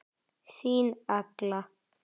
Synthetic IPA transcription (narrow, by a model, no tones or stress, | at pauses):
siːnakla